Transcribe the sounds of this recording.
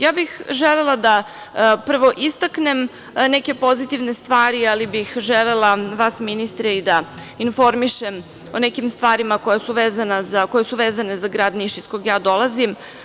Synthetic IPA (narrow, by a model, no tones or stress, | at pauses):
jaːbixʒelelˠad̪a | pr̩ʋo̞ʔist̪akne̞m | neke̞po̞zit̪iʋne̞st̪ʋaːɾialibixʒele̞lˠaʋasminist̪ɾeid̪ainfo̞ɾmiʃem | o̞nekimst̪ʋaːɾimakojasuʋeːzanazako̞jesuʋeːzane̞zaɡɾaːd̪niʃiskoɡjaːd̪o̞lˠazim